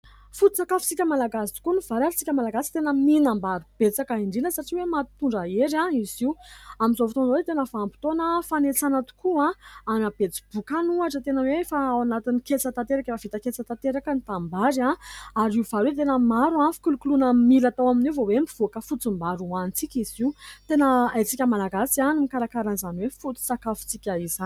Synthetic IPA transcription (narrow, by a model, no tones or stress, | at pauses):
fut̪it͡sakafi̥t͡sikʲəmalaɡasi̥t̪u̥kuniv̥aɾait͡si̥kʲəmalaɡasi̥t̪enəminambaɾub̥et͡sakaiɳɖ͡ʐinəsaʈ͡ʂiwemat̪uɳɖ͡ʐaeɾãiziwamizovit̪onwet̪enəfaampi̥t̪onəfanet͡sanat̪u̥kuãanab̥et͡si̥b̥ukanuaʈ͡ʂət̪enəwefaawanat̪iniket͡sət̪at̪eɾakəavit̪əket͡sat̪at̪eɾakənit̪ambaɾãaɾiuv̥aɾwet̪enəmaɾuãfi̥kulukulunəmilat̪awaminivowembiv̥okəfut͡sumbaɾuanit͡sikʲiziut̪enəajt͡sikʲəmalaɡasianimikaɾakaɾanizaniwefut͡s̪i̥sakafu̥t͡sikʲəiza